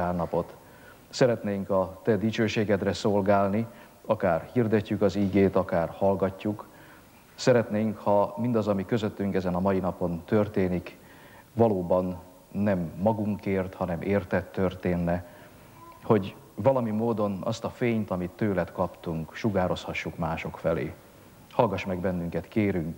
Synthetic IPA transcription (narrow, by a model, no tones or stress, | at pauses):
aːrnɒpo̞t̪ | sɛɾɛt̪neːŋkɒt̪ɛd̪it͡ʃøːʃeːɡɛd̪rɛso̞lɡaːlni | ɒkaːrhird̪ɛcːykɒziːɡeːt̪ɒkaːrhɒlɡɒcːuk | sɛɾɛt̪neːŋkhɒmind̪ɒzɒmikø̞zøt̪ːyŋkɛzɛnɒmɒjinɒpo̞nt̪ø̞rt̪eːnik | vɒloːbɒnː | ɛmːɒɡuŋkeːrt̪hɒnɛmʔeːrt̪ɛt̪ːørt̪eːnːɛ | ho̞ɟ | vɒlɒmimoːd̪onɒ̰st̪ɒfeːɲt̪ɒmit̪ːøːlɛt̪kɒpt̪uŋkʃuɡaːɾo̞shɒʃːukmaːʃo̞kfɛlḛː | hɒlɡɒʃmɛɡbɛnːyŋkɛt̪keːɾyŋk